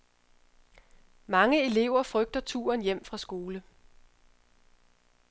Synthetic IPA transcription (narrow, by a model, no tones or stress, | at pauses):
mɑ̈ŋəe̝le̝ʊ̰ɐfʁœɡ̥̚d̥ɐt͡sʰṵːɐnjem̰fʁɑ̈sɡ̥o̝ːlə